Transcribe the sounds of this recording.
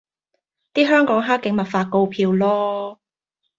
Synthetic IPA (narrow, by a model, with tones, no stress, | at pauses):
t̪iː˥ɦœː˥ŋkɔː˨˥ŋɦaː˥kːɪ˨˥ŋmɐ˨t̚faː˧ko˧wpʰiː˧wlɔː˥